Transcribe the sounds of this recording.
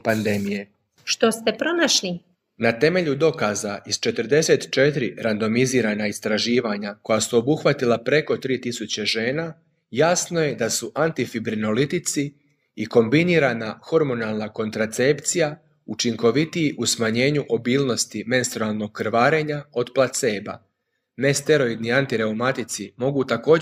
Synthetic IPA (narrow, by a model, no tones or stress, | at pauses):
pand̪e̞mije̞ | ʃt̪ost̪e̞pɾo̞naʃni | nat̪e̞me̞ʎud̪o̞kazaʔizt͡ʃe̞t̪ɾd̪e̞se̞ːt̪t͡ʃe̞t̪ɾiɾand̪o̞miziːɾanaist̪ɾaʒiːʋaɲako̞jasuo̞buxʋat̪ilˠapɾe̞ko̞t̪ɾiːt̪isut͡ɕe̞ʒe̞ːna | jasnoje̞d̪asuʔant̪ifibɾino̞lit̪it̪si | iko̞mbiniːɾanaxo̞ɾmo̞nalˠnako̞nt̪ɾat̪se̞pt̪sija | ut͡ʃiŋko̞ʋit̪iiʔusmaɲe̞ːɲuʔo̞biːlˠno̞st̪ime̞nst̪ɾoalˠno̞ɡ̚kːɾʋaːɾe̞ɲao̞d̪plat̪seːba̰ | ne̞st̪e̞ɾo̞id̪niant̪iɾe̞umat̪it̪simo̞ɡut̪ako̞ː